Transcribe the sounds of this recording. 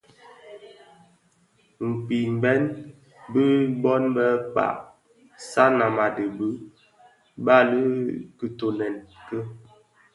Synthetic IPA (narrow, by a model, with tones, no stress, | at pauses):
ŋ̩˨k͡pi˨m˨bɛ˦n | bi˦bɔ˦nbə˦k͡pa̰˨ʔ | sa˦na˨ma˨də˨bə˦ | ba˦˨li˦kə˨to˨nɛ˨nkə˦